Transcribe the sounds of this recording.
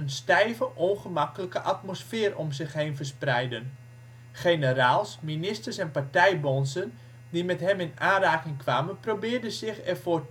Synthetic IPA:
ənstɛjvəʔonχəmakələkəʔatmosfɪːrɔmzɪxɦejnvərsprɛjdən | χenəɾaːlˠsminɪstərsɛnpaɹtɛjbɔnsən | dimɛtɦɛmɪnaːnraːkɪŋkʋaːmənprobɪːrdəzɪxɛrvoːr

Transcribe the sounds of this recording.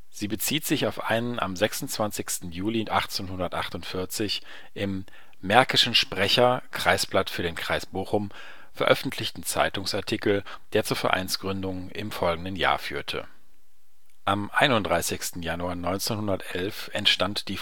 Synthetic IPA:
z̥iːbət͡siːtz̥ɪçaʊfʔa̰ɪnənʔa̰mzɛksʊnt͡sv̥ant͡sɪçstn̩juːliʔaχt͡seːnhʊndɐtʔa̰χtʊntfɪɐt͡sɪç | ʔɪmː | ɛɐkɪʃn̩ʃpʁ̥ɛçɐkʁ̥aɪsb̥latfyːɐɾeːnkʁ̥aɪsb̥oːxʊm | fɛɐʔœfn̩tʰlɪçtn̩t͡sa̰ɪtʊŋsaɐtʰikl̩ | d̥eːɐt͡suːɐfɛɐʔa̰ɪnsɡ̥ʁʏndʊŋ | ɪ̰mfɔlɡŋ̩dənja̰ːɐfy̰ːɐtʰə̰ | ʔamʔa̰ɪnʊntdʁaɪsɪçstn̩januaɐnɔʏnt͡senhʊndɐtʔɛlfɛntʃtantd̥iː

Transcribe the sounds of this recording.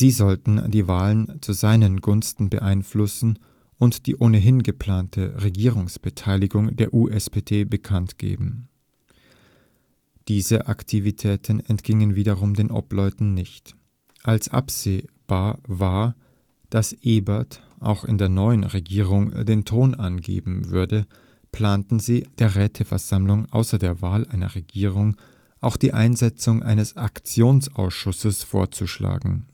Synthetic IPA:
z̥iːzɔltn̩diːvaːlənt͡suzaɪnənɡʊnstn̩bə̰ʔaɪnflʊsn̩ | ʔʊntd̥ḭːʔoːnəɦɪnɡəpl̥aːntʰəʁeɡiːʁ̞ʊŋsb̥ətʰaɪlɪɡʊŋdeːɐʔuːʔɛsb̥eːdeːbəkʰantɡ̥ḛːbm̩ | d̥iːzəʔaktʰivitʰɛːtn̩ɛntɡ̥ɪŋənviːdɐʁʊmdeːnʔɔ̰plɔʏtn̩nɪçt | ʔalsʔa̰pz̥eːb̥aːɐvaːɐ | d̥asʔeːbat | ʔa̰ʊxɪ̰ndeːɐnɔʏənʁeɡiːʁ̞ʊŋdeːntʰoːnʔanɡḛːbm̩vʏɐdə | pl̥aːntn̩ziːd̥eːɐʁɛːtʰəfɛɐz̥amlʊŋʔa̰ʊsɐdeːɐvaːlʔaɪnɐ̰ʁeɡiːʁʊŋ | ʔaʊxd̥iːʔaɪnzɛt͡sʊŋʔa̰ɪnəsakt͡sjoːnsʔa̰ʊsʃʊsəsfo̰ːɐt͡suʃla̰ːɡŋ̩

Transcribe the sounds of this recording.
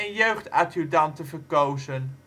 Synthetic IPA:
ənjøɥχtaːtyɹdɑntəvəɹkowzən

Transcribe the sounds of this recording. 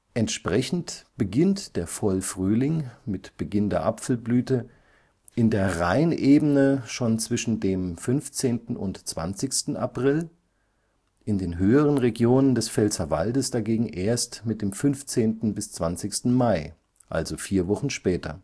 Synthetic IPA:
ʔɛntʃpʁ̥ɛçn̩tb̥əɡɪntd̥eːɐfɔlfʁ̥yːlɪŋmɪtb̥əɡɪndeːɐʔapfl̩blyːtə | ʔɪndeːɐʁaɪnʔeːbənəʃoːnt͡sv̥ɪʃn̩deːmfʏnft͡seːntn̩ʊ̰ntt͡sv̥a̰nt͡sɪçstn̩a̰pʁ̥ɪl | ʔɪndeːnɦøːəʁənʁeɡjoːnəndɛsfɛlsava̰ldəsd̥aɡeːɡŋ̩ʔeːɐstmɪt̚d̥eːmfʏnft͡seːntn̩bɪst͡sv̥ant͡sɪçstn̩maɪ | ʔa̰lzofiːɐvɔχn̩ʃpɛːtʰɐ̰

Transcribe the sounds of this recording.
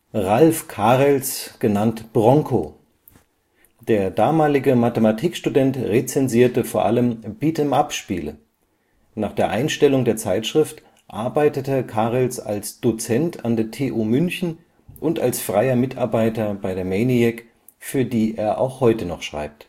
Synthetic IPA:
ʁalfkʰaːʁɛlsɡ̥ənantb̥ʁɔŋkʰoː | d̥eːɐdaːmaːlɪɡəmatəmatʰiːkʃtudɛntʁet͡sɛnziːɐtəfoːɐʔaləmb̥iːtʰəmapʃpiːlə | naːχd̥eːɐʔaɪnʃtɛlʊŋdeːɐt͡saɪtʃʁ̥ɪft | ʔaɐbaɪtətəkʰaːʁəlsa̰lsd̥ot͡sɛntʰa̰ndeːɐtʰeːʔuːmʏnçn̩ | ʔʊntalsfʁ̥aɪɐmɪtʰaɐbaɪtɐbaɪdeːɐmɛɪniɛk | fyːɐdiːʔeːɐʔa̰ʊxhɔʏtənɔχʃʁ̥a̰ɪp̚t

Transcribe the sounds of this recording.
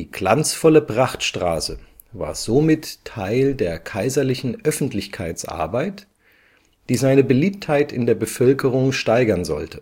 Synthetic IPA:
iːɡ̥la̰nt͡sfɔləpʁ̥aχtʃtʁ̥a̰ːsə | va̰ːɐzoːmɪttʰaɪldeːɐkʰaɪzɐlɪçn̩ʔœfn̩tlɪçkʰa̰ɪt͡sʔa̰ɐbaɪt | d̥iːzaɪnəbəliːp̚thaɪtɪndeːɐbəfœlkʰəʁ̞ʊŋʃtaɪɡɐnzɔ̰ltə

